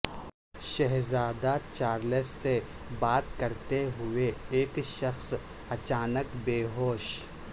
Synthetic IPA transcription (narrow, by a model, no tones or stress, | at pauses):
ʃɛɦzaːd̪at͡ʃaːɾləsse | baːt̪kɐɾt̪eɦʊeeːkʃɐxs | ɐt͡ʃaːnəkbeːɦoːʃ